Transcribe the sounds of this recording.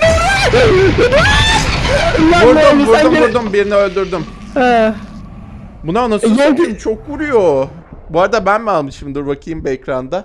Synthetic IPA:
buɾd̪ubuɾumbuɾd̪umbiɾiniølʲd̪yɾd̪ym | ɛ | bunaonask̪int͡ʃʰo̞k̚buɾujo | buaɾad̪abænmɛalˠmɯʃɯmd̪ɯɾvakʰɯjɯmbiɛcɾand̪a

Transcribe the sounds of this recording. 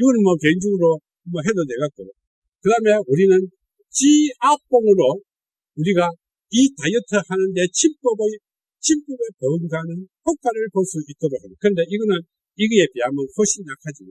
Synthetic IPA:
iɡʌnɯnmʌkeŋd͡ʑuɡɯɾo | mʌɦedoneɡak͈ojo | kɯdameuɾinɯn | t͡ɕiak̚p͈oŋɯɾo | uɾiɡa | itajɯtʰɯhanɯnde̞t͡ɕʰip͈ʌbe | t͡ɕʰimp͈ʌbepʌɯŋɡanɯnhʌk̚k͈aɾɯɭpʌs͈uit͈ʌɾohenakɯɾʌnde̞iɡʌnɯn | iɡɯepiamɯnɸʰoɕʰinak̚ʰad͡ʑima

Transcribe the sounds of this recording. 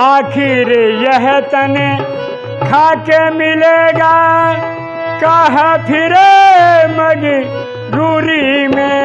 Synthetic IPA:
aːkʰɪɾejɐɦɛt̪ɐne | kʰaːkemɪleːɡaː | kaɦapʰɪɾemɐɡi | ɾuːɾimẽ

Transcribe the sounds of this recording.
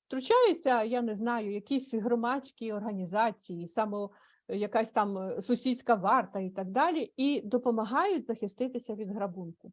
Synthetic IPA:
t̪ɾʊt͡ʃajʊt͡sʲːɐjanɛznɑjʊjɐkʲisʲɦɾɔmɑt͡sʲkʲiɔrɦɐnʲizɑt͡sʲijisɑmɔ | jɐkasʲt̪ɑmsʊsʲisʲkɐʋɑrt̪ɐit̪ɐɡ̚d̪ɑlʲiid̪ɔpɔmɐɦɑjʊtʲzɐxɪst̪ɪt̪ɪsʲɐʋʲid̪ɦɾɐbunkʊ

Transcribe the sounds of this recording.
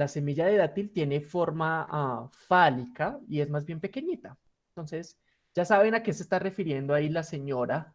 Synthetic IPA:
lase̞miʝaðe̞ðat̪ilt̪je̞ne̞fo̞ɾma | falikaie̞zmazbje̞mpe̞ke̞ɲit̪a | ent̪o̞nse̞s | d͡ʒasaβe̞nake̞sest̪are̞fiɾje̞nd̪oailase̞ɲo̞ɾa

